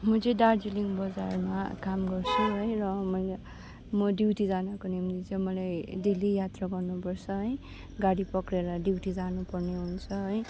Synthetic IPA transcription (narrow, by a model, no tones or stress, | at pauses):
mʌt͡sẽɖard͡ziliŋbʌd͡zarmakamɡʌrt͡sʰuɦʌjrʌmʌjl | mʌɖiwʈid͡zanʌkonimt̪it͡sʌmʌlajd̪ilijat̪raɡʌrnupʌrt͡sʰʌɦʌj | ɡaɽipʌkɾeɾʌɖiwʈid͡zanupʌrneɦunt͡sʰʌɦʌj